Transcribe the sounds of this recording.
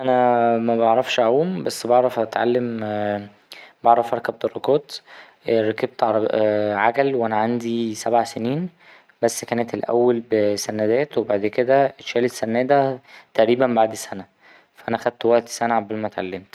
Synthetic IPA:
ʔænæmæbɑʕɾˤɑfʃaʕuːmbæsːbɑʕɾˤɑfæt̪ʕa̰lːem | bɑʕɾˤɑfʔɑɾˤkæb̚d̪erːɑkoːt̪ | ɾˤɑkeb̚t̪ | ʕaɡælweʔænæʕand̪isæbʕaseniːn | bæsːkæːnet̪elʔæ̰wːælbsænæd̪æːt̪webaʕd̪ked̪æʃæːlesːænːæːd̪æt̪æʔɾiːbæmbaʕd̪sænæ | fæʔænæxæd̪̚t̪wæʔt̪i̥sænæʕabælmæt̪ʕa̰lːemt̪

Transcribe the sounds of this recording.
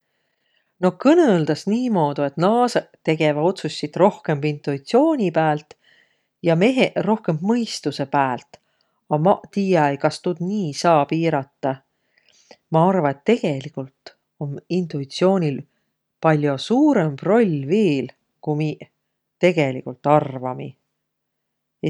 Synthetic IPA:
no̞hkɤneld̪̥ɑsniːmo̞ːd̪̥ue̞t̪nɑːset̪ːe̞ɡ̥e̞vɑo̞t̪susʲːit̪ro̞hke̞mb̥int̪ˑuit̪sio̞ːnʲipæːlt̪ | jɑmeɦero̞hke̞mb̥mɤjst̪use̞pæːlt̪ːˑ | ɑmt̪iːjɑejkɑst̪ud̪̥niːsɑːpiːɾɑt̪ːˑɑ | mɑɑrvɑet̪ːe̞ɡ̥e̞likˑult̪ˑ | o̞nint̪ˑuit̪sio̞ːnʲil | pɑlʲjo̞suːɾemb̥ro̞lʲveːl | kumi | t̪e̞ɡ̥e̞lḭkult̪ːˑɑrvɑmḭ

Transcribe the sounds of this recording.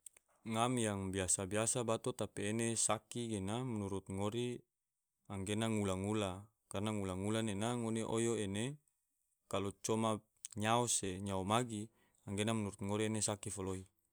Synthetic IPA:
ŋamjaŋbiasabiasabat̪ot̪apiːnesakiɡenamanuɾut̪̚ŋoɾi | aŋɡenaŋulaŋula | karnaŋulaŋulanenaŋoneʔojoene | kalot͡ʃoma | ɲaoseɲaomaɡi | aŋɡenamnuɾut̪̚ŋoɾienesakifoloi

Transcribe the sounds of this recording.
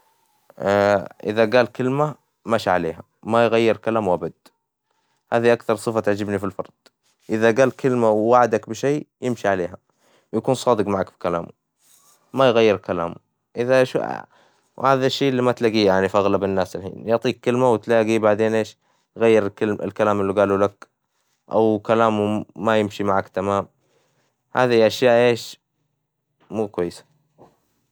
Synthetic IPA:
ʔɪ̰ðaɡaːlkɪlma | maʃaʕalḛːɦa | majɣajːɪɾkalaːmwʔabad̪ | haːðiʔakθɑɾˤsˤɨfat̪ɪʕd͡ʒɪbnifilfɑ̰ɾˤd̪̥ˤ | ʔɪðaɡaːlkɪlmawwaʕd̪akbɪʃeːjɪmʃiʕaleːɦa | wjakuːnsˤɑːd̪ɨqmaʕakbi̥kala̰ːm | majɣajːɪɾkala̰ːm | ʔɪðaʃ | whaːðaʃːeːʔlːimat̪laːɡiːjaʕnifʔaɣlabɪnːaːsɪlħḭːnjʊʕt̪ˤiːkːɪlmawt̪laːɡibaʕd̪eːnʔeːʃ | jɣajːɪɾkɪlɪ̰lkalaːmɪlːiɡaːlulak | ʔa̰wkalaːmumajɪmʃimaʕakt̪amaːm | haːðihjʔaʃjaːʔʔeːʃ | muːkwajːɪsḁ

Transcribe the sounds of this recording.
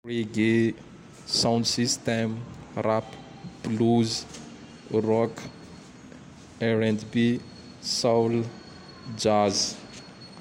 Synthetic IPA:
reɡe | sawnd̪sist̪ɛmrap | b̥luz | rɔk | ɛɾɛnd̪bi | sawl | d͡ʒaz

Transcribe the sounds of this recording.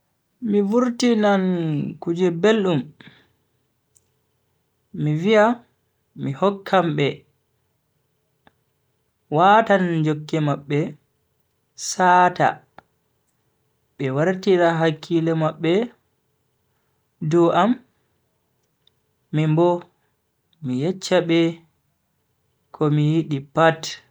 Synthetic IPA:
mivuɾtinankud͡ʒɛbelɗum | mivia | mihɔkʰːamɓɛ | waːtand͡ʒokːɛmaɓːɛ | saːta̰ | ɓɛwaɾtiɾaɦakʰːilɛmaɓːɛ | duʔam | imbɔ | mijɛt͡ʃːaɓɛ | kʰɔmijiɗipat

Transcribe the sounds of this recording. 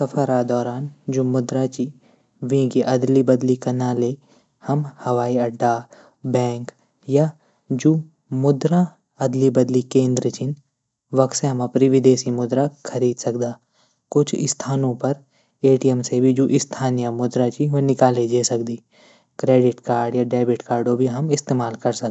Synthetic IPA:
sɐpʰəɾad̪ɔːɾaːnd͡ʒoːmʊd̪ɾat͡ʃi | ʋĩkiʔɐd̪libəd̪likɐnaːle | hɐmhɐʋaːiɐɖːaː | bɛ̃ːŋk | ja | d͡ʒoː | mʊd̪ɾa | ɐd̪libɐd̪likẽːnd̪ɾət͡ʃɪn | ʋɐk̪seɦɐmapɾɪʋɪd̪eːsimʊd̪ɾakʰɐɾiːd̪sɐkd̪aː | kʊt͡ʃʰɪ̰st̪ʰaːnõpɐɾ | eːʈijɛmsebʱid͡ʒoʔɪst̪ʰaːnijəmʊd̪ɾat͡ʃiʋonɪkaːled͡ʒeːsɐkd̪iː | kɾeːɖɪʈkaːɾɖjaɖɛːbɪʈkaːɾɖobʱiɦɐmɪst̪eːmaːlkɐɾsɐk̪

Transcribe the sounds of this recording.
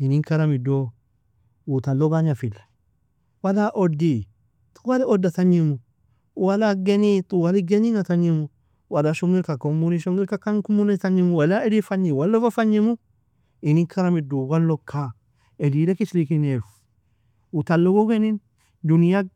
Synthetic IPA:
inikaɾamido | ut̪anlɔɡaɲafilḁ | walaʔɔdi | t̪ʼuwaliɔdːat̪aɲːimu | walaɡɛnit̪ʼuwaliɡɛninat̪aɲimu | walaʃɔmɡɪlkakɔmuniʃɔŋɪlkakankumːunet̪aɲimuwalaɛdifaɲːiwalːɔfafaɲːimu | ɪniŋkʰaɾamiduwalːɔkʰːa | ɛdilɛkɪslikinef | ut̪anlɔɡɔɡɛnin | dunija

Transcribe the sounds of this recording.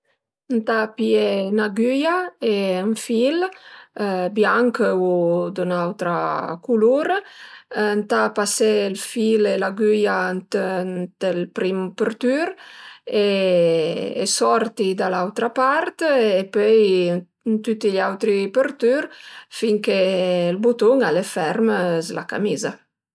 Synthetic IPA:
ənt̪apjenaɡyjaeəɱfil | bjaŋkəud̪unawt̪ɾa̰kuluɾ | nt̪apaselfilelaɡyjant̪t̪əlpɾimpəɾt̪yɾe | ḛsɔɾt̪id̪alawt̪ɾapaɾt̪epøj | nt̪yt̪iʎawt̪ɾipəɾt̪yɾfiŋkelbut̪uŋalefɛɾməzla̰ka̰miza

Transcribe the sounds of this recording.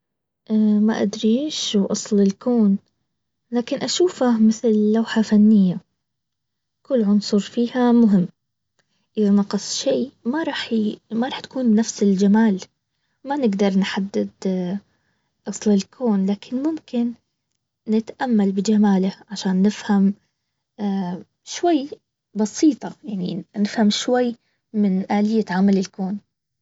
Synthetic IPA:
ʔma̰ʔa̰d̪ɾiːʃwʔɑsˤlɪlkoːn | laːkɪnʔaʃuːfamɪθllːawħafanːɪjːa | kʊlːʕʊnsˤuɾfiːhamʊɦɪmː | ʔɪðanɑqɨsˤʃeːmaɾˤɑːħmaɾˤɑːħt̪ḁkuːnːafsɪld͡ʒamaːl | manɪɡd̪ɑɾˤnħad̪ːɪd̪ | ʔɑsˤlɪlkʰoːnlaːkʰɪnmʊmkɪnː | ɪt̪ʔamːalbɪd͡ʒamaːlaʕaʃaːnːɪfham | aː | ʃwajː | bɑsiːt̪ˤɑjaʕninɪfhamʃwajː | mɪnʔaːlɪjːaʕamalɪlkoːn

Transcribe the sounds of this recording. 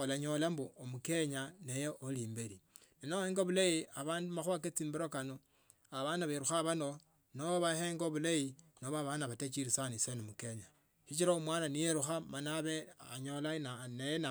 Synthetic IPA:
olaɲo̞lamboomuke̞ɲanejeoliːmbeɾininoheŋɡoβulaiaβaːndumaxwaket͡siːmbiɾokano | aβanaβeɾuxaβano | noβaheːŋɡoβulainoβaβanaβatet͡ʃiɾisanisenomuke̞ɲa | ʃit͡ʃiɾaumwaːnanijeɾuxamanaβeaɲo̞lananejena

